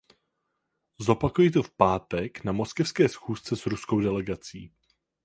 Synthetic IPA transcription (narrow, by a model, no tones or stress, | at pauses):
zo̞pakujit̪o̞fpaːt̪ɛknamo̞skɛfskɛːsxuːst͡sɛsɾusko̞wdɛlɛɡat͡sḭː